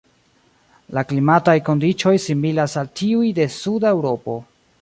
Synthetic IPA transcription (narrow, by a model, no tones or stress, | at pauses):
laklimatajko̞ndit͡ʃo̞jsimilasaltiujde̞sudaewɾo̞po̞